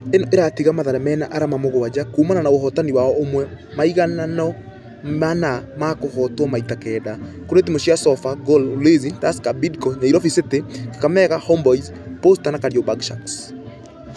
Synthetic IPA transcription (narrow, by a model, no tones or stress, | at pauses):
enɔʔeɾatiɣamaðaɾɛmɛːnaʔaɾamamoɣowad͡ʒakumananaoɦɔtaniwaɔomwɛ | maiɣananɔ | manamakohɔtwɔmaitakɛːda | koɾet̬imoɕiasɔfaɡololezintaskabidkɔɲaiɾɔfiseteke̥kamɛɣahɔmbɔiz | postanakaɾiɔbaɡʃaks